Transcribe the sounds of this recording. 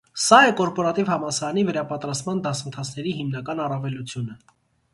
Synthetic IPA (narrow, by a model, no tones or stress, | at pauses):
sɑɛkɔɾpɔɾɑt̪ivhɑmɑsɑɾɑnivəɾɑpɑt̪ɾɑst̪mɑnd̪ɑsənt̪ʰɑt͡sʰnɛɾiɦimnɑkɑnɑrɑvɛlut͡sʰjunə